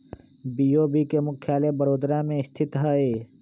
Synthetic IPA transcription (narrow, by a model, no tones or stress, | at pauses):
biːoːbʱikemʊkʰjaːlebəɾoːd̪ɾamẽɪst̪ʰɪt̪ɦaːeː